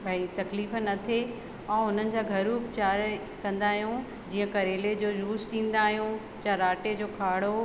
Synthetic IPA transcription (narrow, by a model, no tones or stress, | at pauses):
pɐɦɪlit̪ɐkliːfənɐt̪ʰe | ɛ̃ːʊn̤ənɪ̆d͡ʑaːɡʱɐɾuːkt͡ɕaːɾ | kɐ̃nd̪aːɦijũ | d͡ʑiːə̃kɐɾeːled͡ʑoːjuːsɗĩːnd̪aːɦijũ | t͡ɕaɾaːʈed͡ʑoːkʰaːɽo